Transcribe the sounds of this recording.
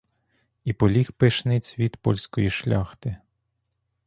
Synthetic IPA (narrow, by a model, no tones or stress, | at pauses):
ipɔlʲixpɪʃnɪt͡sʲʋʲid̪pɔ̰lʲsʲkɔjiʃlʲɑxt̪ɪ